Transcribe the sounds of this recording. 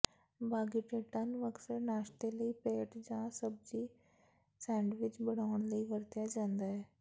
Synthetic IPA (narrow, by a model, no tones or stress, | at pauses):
baːɡiʈeːʈənʋəksəɾnaːʃt̪eləiːpeːʈd͡ʒãːsəb̚d͡ʒiː | sɛ̃ːɳɖʋɪt͡ʃbəɽaːʊəɳ̃ləiːʋəɾt̪jaːd͡ʒãːnd̪aːɦɛː